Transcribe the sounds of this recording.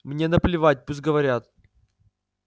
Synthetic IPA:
mnʲe̞nəplʲɪvat̚ʲpus̬ʲɡəvɐɾʲat̪̚

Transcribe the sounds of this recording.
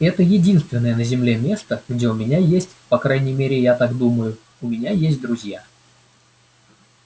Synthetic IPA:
ɛt̪əjɪdʲin̪st̪vʲɪnːəjənəzʲɪmlʲe̞mʲe̞st̪əɡdʲe̞ʊmʲɪnʲajesʲtʲpɐkɾajnʲɪjmʲeɾʲɪjat̪akd̪uməjʊ | ʊmʲɪnʲajesʲt̚ʲd̪ɾʊzʲja

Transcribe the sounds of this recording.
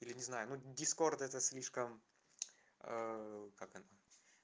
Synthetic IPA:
ilʲɪnʲɪznajʊnudʲɪsko̞rt̪ɛt̪əsʲlʲiʂkəm | əkakɐnə

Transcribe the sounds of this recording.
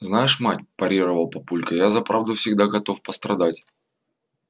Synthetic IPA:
znajɪʂmatʲpɐɾʲiɾəvəlˠpɐpulʲkəjazɐpɾavd̪ʊfsʲɪɡd̪aɡɐt̪o̞fpəst̪ɾɐd̪atʲ

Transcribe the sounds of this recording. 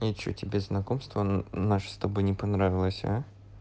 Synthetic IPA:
ɪt͡ɕːo̰tʲɪbʲeznɐkomst̪vənaʂɨ̥st̪ɐbɨnʲɪpɐnɾavʲɪlˠəsʲa̰

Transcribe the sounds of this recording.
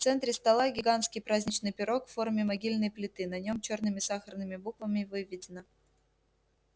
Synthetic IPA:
t̪sɛnt̪ɾʲɪst̪ɐlˠaɡʲɪɡanskʲɪjpɾazʲnʲɪt͡ɕnɨjpʲɪɾo̞kfːo̞rmʲɪmɐɡʲilʲnɨjplʲɪt̪ɨnɐnʲo̞mt͡ɕo̞rnɨmʲɪsaxərnɨmʲɪbukvəmʲɪvɨvʲːɪdʲɪnə

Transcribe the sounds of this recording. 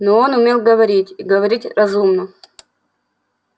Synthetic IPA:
noonʊmʲelˠɡəvɐɾʲitʲiɡəvɐɾʲitʲrɐzumnə

